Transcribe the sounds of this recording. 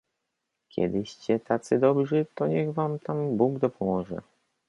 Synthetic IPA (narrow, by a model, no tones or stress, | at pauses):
kʲjɛ̰d̪ɘɕt͡ɕɛt̪ʰat̪sɘd̪ɔbʐɘt̪ɔɲɛɣvamt̪ambuɡd̪ɔpʰɔmɔʐɛ̰